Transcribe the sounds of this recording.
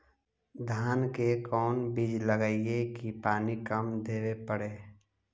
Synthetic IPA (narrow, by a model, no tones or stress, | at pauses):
d̪ʱaːnkekɔːnbid͡ʒləɡaːiekipaːnikəmd̪eːwepəɽeː